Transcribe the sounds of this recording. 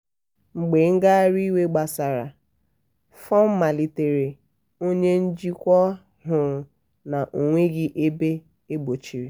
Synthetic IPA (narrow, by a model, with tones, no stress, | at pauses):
ŋ͡m̩˨ɡ͡be˨ŋ̩˦ɡa˦ɾi˦we˦ɡ͡ba˨sa˨ɾa̰˨ | fɔ˦m̩˦ma˨li˨te˨ɾe˨ | o˦ɲe˦n̩˦d͡ʒi˦kʷɔ˦ | ɦʊ˨ɾʊ˨ | na˨ʔo˨ŋʷe˦ɡɪ˦ʔe˦be˦ | e˦ɡ͡bo˨t͡ʃi˨ɾi˨